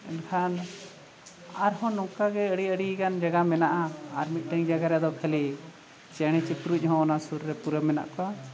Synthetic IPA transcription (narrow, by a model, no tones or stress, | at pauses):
ɛ̰nkʰan | aɾhɔ̃nɔkaɡɛəɽiəɽikand͡ʒaɡamɛnaʔaːɾmit̪̚ˀʈəŋd͡ʒaɡaɾɛd̪ɔkʰəli | t͡ʃɛɽ̃ɛt͡ʃipɾuc̚ˀhɔ̃ːnasuɾːɛpuɾəmɛna̰ʔkɔwa